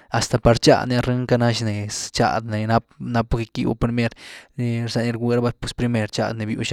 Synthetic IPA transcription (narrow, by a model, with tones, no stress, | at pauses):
a˨st̪a˨pa˧ɾt͡ʃa̰˧d̪ne˧a˧ɾe˦ŋka˦˧na˦ʃne˨st͡ʃa̰˧d̪ne˨na˦p̚na˦pːke˧kḭ˦˧wa̰˧pɾi˧me˦ɾne˧ɾsa˧ni˧ɾɡʷe˧ɾa˦ba˧pe˦spɾi˧me˧ɾt͡ʃa̰˦˧d̪ne˨bjṵ˧ʃa˦